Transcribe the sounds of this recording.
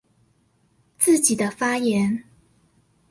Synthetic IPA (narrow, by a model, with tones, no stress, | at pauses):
t͡sɹ̩˥˩t͡ɕi˨˩d̪ə˦fa˥jɛ˧˥n